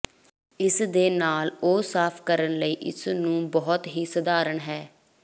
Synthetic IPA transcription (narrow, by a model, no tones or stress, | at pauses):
ɪsd̪eːnaːloːsaːpʰkəɾənləiːʔɪ̰snũːbɔːt̪ɦiːsəd̪aːɾəɳɦɛː